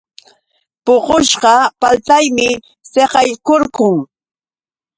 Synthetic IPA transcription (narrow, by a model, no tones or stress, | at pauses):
poɢoʃɢɑpalt̪ajmɪ | seɢɑjkoɾkʊŋ